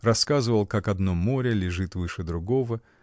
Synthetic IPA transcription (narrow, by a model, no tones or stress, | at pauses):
rɐskazɨvəlˠkakɐd̪no̞mːo̞ɾʲɪlʲɪʐɨt̪vɨʂɨd̪ɾʊɡo̞və